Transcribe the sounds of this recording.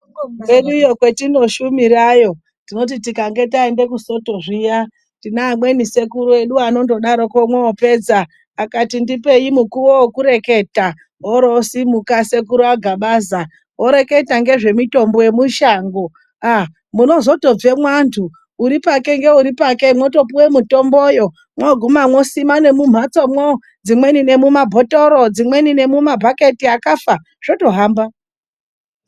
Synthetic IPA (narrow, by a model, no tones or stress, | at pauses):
eɗuijo̞kwe̞tino̞ʃumiɾajo̞ | tino̞t̬itikaŋɡe̞taende̞kuso̞to̞ʐija | ndinaːmwe̞nise̞kuɾue̞ɗuano̞ndo̞ɗaɾo̞ko̞mweope̞ːd͡zaː | katindipe̞imukuwowokuɾe̞ke̞ta | oɾosimukase̞kuɾuaɡʱaɓaːza | oɾe̞ke̞taŋɡe̞ʐe̞mito̞mboje̞muʃaːŋɡo | a | muno̞zo̞to̞b͡ve̞mwantʰuː | ɾipake̞ŋɡe̞uɾipake̞mwo̞to̞puwe̞muto̞mbojo̞ | mwoɡʱumamwo̞simane̞mum̤at͡somwo | d͡zimwe̞nine̞mumabʱotoɾod͡zimwe̞nine̞mumabʱake̞tiakafa | ʐ̥oto̞ɦaːmba